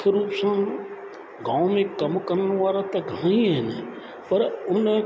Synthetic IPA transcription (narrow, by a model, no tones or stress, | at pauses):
ɾuːpsã | ɡãːʊ̃mẽkɐmkəɾnʋaːɾat̪ɐɡʱãĩɦɛne | pəɾʊnẽ